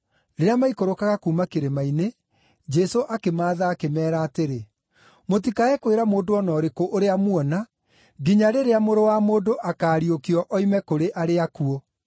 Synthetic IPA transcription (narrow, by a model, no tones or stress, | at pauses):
ɾeɾeamaikoɾokaɣakuːmakeɾemaine | d͡ʒɛsoʔakemaːðaːkemɛːɾaːteɾe | motikaɛkweɾamoːdoɔnɔɾekoʔoɾeamwɔna | ɡiɲaɾeɾeamoɾowamoːdoʔakaːɾiokiɔʔɔimɛkoɾeʔaɾeakuɔ